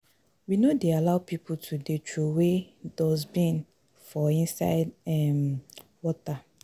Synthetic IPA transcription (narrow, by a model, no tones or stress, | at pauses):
winodealaʊpʰipʰʊtʰudet͡ʃowedɔzbĩn | fɔĩnsa̰ɪdɛmwɔta